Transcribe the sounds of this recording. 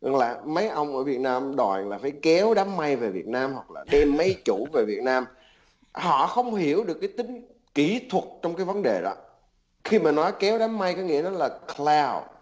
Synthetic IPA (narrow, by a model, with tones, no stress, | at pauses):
za̰˨˩ŋla̰ː˨˩mə˨˦jʔə˧wŋ͡mʔəː˧˩vi˨˩ət̚naː˧mɗwɔ̰˨˩nlaː˨˩faː˧˩jkɛ˨˦wɗaː˨˦mːa˧jve˨˩vḭ˨˩ət̚naː˧mhwa˨˩k̚la̰ː˨˩ɗe˧mːə˨˦jt͡ɕu˧˩ve˨˩vi˨˩ət̚naː˧m | hɔ̰˧˨xə˧wŋ͡mhi˧˩əwɗɨ˨˩əkːaː˨˦jt̪ï˨˦ŋ̟ | ki˧˩t̪ʰwə˨˩t̚t͡ɕɔ˧wŋ͡mkaː˨˦jvə˨˦nɗe˨˩ɗɔ̰˨˦ | xi˧maː˨˩nɔ˨˦jkɛ˨˦wɗaː˨˦mːa˧jkɔ˨˦jŋḭ˧˥ənɔ˨˦laː˨˩klaː˧w